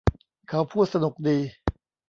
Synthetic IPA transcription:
kʰa˩˦˥wpʰuː˥˩t̪̚sa˧nu˨˩k̚diː˧

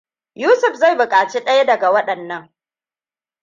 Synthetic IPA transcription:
juː˦sʊ˨ɸza˦˨jbʊ˨kʼaː˨t͡ʃi˦ɗɐ˦jɐ˦dɐ˨ɡa˨wɐ˦ɗɐ˨nːɐ˦ŋ

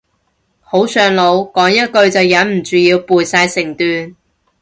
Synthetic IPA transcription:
ho˨˥wsœː˧ŋlo˨˧wkɔː˨˥ŋjɐ˥t̚kɵ˧ɥt͡sɐ˨wjɐ˨˥nm̩˨˩t͡syː˨˧jiː˧wpuː˨jsaː˧jsɪ˨˩ŋt̪yː˨n

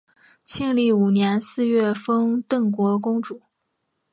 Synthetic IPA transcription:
t͡ɕʰi˥˧ŋli˥˩u˨˩njɛ˧˥nsɹ̩˥˧ɥɛ˥˩fɤ˥ŋt̪ɤ˥˩ŋkwɔ˧˥k̬ʊ˥ŋʈ͡ʂu˨˩˦

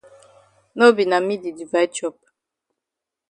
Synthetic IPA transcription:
no˦bi˨na˨mi˦di˨di˨va˨i˦t͡ʃɔ˦˨p̚

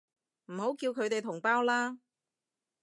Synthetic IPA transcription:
m̩˨˩ho˨˥wkiː˧wkʰɵ˨˧ɥt̪e˨jt̪ʰʊ˨˩ŋpaː˥wlaː˥

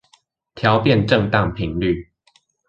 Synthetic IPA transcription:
t̪ʰjɑ˨˧˦ʊpjɛ˥˨nʈ͡ʂə˥˨ŋt̪ɑ˥˨ŋpʰi˨˦ŋly˥˨

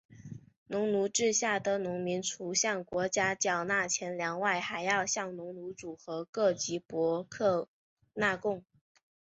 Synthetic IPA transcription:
nʊ˧˥ŋnu˧˥ʈ͡ʂɻ̩˥˧ɕja˥˩d̪ə˨nʊ˧˥ŋmi˧˥nt͡sʰu˨˥ɕjɑ˥˩ŋkwɔ˧˥t͡ɕja˥t͡ɕjɑ˨˩ʊna˥˩t͡ɕʰjɛ˧˥nljɑ˧˥ŋwa˥˩ɪxa˨˩ɪjɑ˥˧ʊɕjɑ˥˩ŋnʊ˧˥ŋnu˧˥ʈ͡ʂu˨˩xɤ˧˥kɤ˥˩t͡ɕi˧˥pwɔ˧˥kʰɤ˥˧ | na˥˧kʊ˥˩ŋ

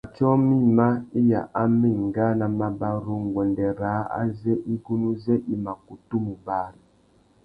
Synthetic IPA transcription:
a˨tɔ˦mi˦˨ma˦i˦ja̰˨ʔa˦mi˦˨ŋ˨ɡa˦na˨ma˨ba˦ɾo˦ŋ˨ɡwɛ˨ndɛ˨ɾaː˨˦a̰˦zɛ˦ʔi˦ɡu˦nu˦zɛ˦ʔi˦ma˨ku˨tu˦mu˨ba˦ɾi˨

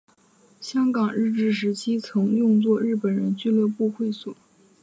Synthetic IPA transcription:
ɕjɑ˥ŋkɑ˨˩ŋɻɻ̩˥˧ʈ͡ʂɻ̩˥˩ʂ̬ɻ̩˧˥t͡ɕʰi˥t͡sʰɤ˧˥ŋjʊ˥˧ŋt͡swɔ˥˧ɻ̩˥˩pə˨˩nɻə˧˥nt͡ɕy˥˧lə˥˧pu˥˧xwe˥˩ɪswɔ˨˩˦

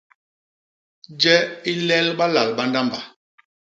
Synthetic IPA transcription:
d͡ʒɛ˦i˦lɛ˦lɓa˦la˨lɓa˦nda˦mba˨

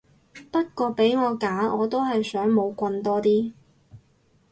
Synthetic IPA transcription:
pɐ˥t̚kʷɔː˧pe˨˥jŋɔː˨˧kaː˨˥ʔɔː˨˧t̪o˥wɦɐ˨jsœː˨˥ŋmo˨˧wkʷɐ˧nt̪ɔː˥t̪iː˥

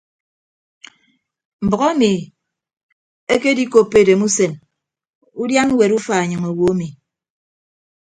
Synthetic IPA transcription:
m̩˨bɔ˨ɣɔ˦mi˨ | e˦ke˦di˦ko˨pːe˦˨de˨mu˦se˨n | u˦dja˦n˦we˨ɾu˦fa˨e˨ɲɨ˨ŋe˨wo˨a˦mi˨

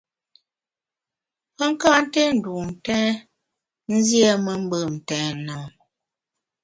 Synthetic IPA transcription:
pə˦ŋ̩˦ka˦n̩˦tɛ˦n̩˨du˨m̩˨tɛ̃ː˦ | n̩˦zjɛ˦mə˦m̩˦bə˦˨m̩˨tɛː˨nɔ˨

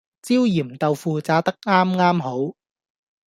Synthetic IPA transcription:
t͡siː˥wjiː˨˩mt̪ɐ˨wfuː˨t͡saː˨˥t̪ɐ˥k̚ŋaː˥mŋaː˥mɦo˨˥w

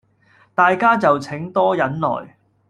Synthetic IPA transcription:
t̪aː˨jkaː˥t͡sɐ˨wt͡sʰɪ˨˥ŋt̪ɔː˥jɐ˨˥nlɔ̰ː˨˩j

